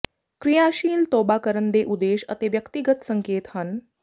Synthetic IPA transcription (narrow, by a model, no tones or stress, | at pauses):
kɾijaɕiːlt̪obakəɾənd̪eʔud̪eːɕə̰t̪eʋjəkt̪iɡət̪səŋkeːt̪hən